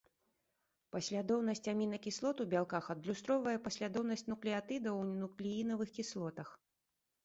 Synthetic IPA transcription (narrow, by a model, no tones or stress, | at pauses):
pɐsʲlʲad̪ɔwnɐsʲt͡sʲamʲinɐkʲislˠɔt̪ubʲalˠkaxɐd̪lʲust̪ɾɔvɐjɛpɐsʲlʲad̪ɔwnɐsʲt͡sʲnuklʲiat̪ɨd̪ɐwnuklʲijinɐvɨxkʲislˠɔt̪ɐx